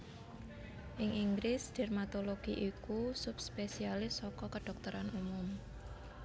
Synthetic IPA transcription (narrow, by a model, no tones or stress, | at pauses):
ʔɪŋʔiŋɡɾɪsd̪̥ɛ̤rmat̪oloɡ̥iʔikusup̚spesialɪsːɔkɔkəɖ̥ɔ̤k̚t̪əɾanumʊm